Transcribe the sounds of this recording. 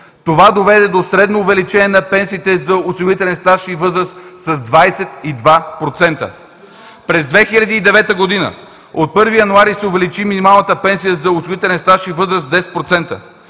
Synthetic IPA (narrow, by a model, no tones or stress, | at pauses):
t̪ovad̪ovɛd̪ɛd̪osɾɛd̪noːvɛlit͡ʃɛniɛnɐpɛnsiːt̪ɛzɐʊsiɡlit̪ɛlɛnst̪aʃivɤzɾəssɐzd̪vajsɛt̪id̪vapɾot̪sɛnt̪ə̰ | pɾɛzd̪vɛxilʲɐd̪iːd̪ɛvɛt̪əɡod̪inə̰ | ot̪̚pɤɾvijɐnuaɾisɛʊvɛlit͡ʃiminimalˠnət̪əpɛnsijəzɐʊsiɡit̪ɛlɛnst̪aʃivɤzɾəsd̪ɛsɛ̥t̪pɾot̪sɛnt̪ə̰